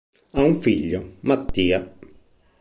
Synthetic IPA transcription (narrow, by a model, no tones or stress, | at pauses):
auɱfiʎːomat̪ːiːa